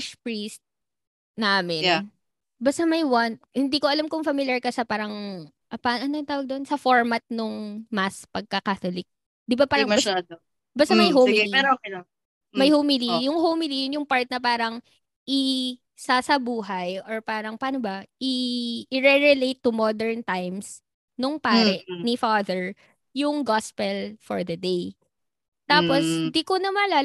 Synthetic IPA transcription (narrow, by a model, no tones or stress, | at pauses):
ʃpɹist̪̚ | naːmɪn | bast̪ɐmɐjwant̪̚hɪnd̪iːkoʔɐlamkʊŋfɐmɪljɐɹkɐsɐpaːɾɐŋ | ɐpaʔɐnont̪aːwɐɡ̚d̪onsɐfoɹmɐt̪̚nʊŋmaspɐɡ̚kɐkaːt̪olɪk̚ | d̪ɪbapaːɾɾɐŋ | bast̪ɐmɐjɦoɛɾo | mɐjhomilijʊŋhowmɪlijʊnjʊŋpaɹt̪̚nɐpaːɾɐŋ | ʔɪ | sasɐbuːɦɐjʔɔɹpaːɾɐŋpaːnobɐʔɪɪɹɛɹɛlejt̪ːumɔd̪ɛɹnt̪ajms | nʊŋpaːɾɛʔnifaːðɛɹ | jʊŋɡɔspɛlfɔɹðɐd̪ej | t̪aːposnd̪ikonɐmɐla